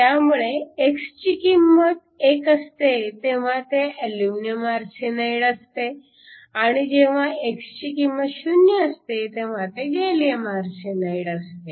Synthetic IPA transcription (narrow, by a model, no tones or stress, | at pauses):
t̪jamuɭeekst͡ɕikimːət̪̚ | ekəst̪et̪eʋ̤ãt̪eʔəljumnjəmaɾsinajɽəst̪e | aɽ̃id͡ʑeʋ̤ãʔekst͡ɕikimːət̪ɕunjəəst̪et̪eʋ̤ãt̪eɡelijemaɾsenaiɽəst̪e